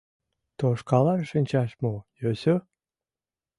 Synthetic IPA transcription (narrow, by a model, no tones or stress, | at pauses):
t̪oʃkɑlɑrʃənʲt͡ɕɑʃmojøsø